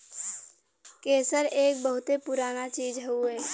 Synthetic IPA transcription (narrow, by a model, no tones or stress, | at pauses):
keːsəɾeːk̚bəɦʊt̪epʊɾaːnat͡ʃiːd͡ʒɦəuɦɛː